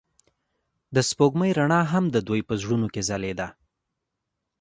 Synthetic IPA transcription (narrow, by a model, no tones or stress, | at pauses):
d̪əspoɡməjɾaɳɑɦamd̪əd̪ojpəzɽunokezaled̪a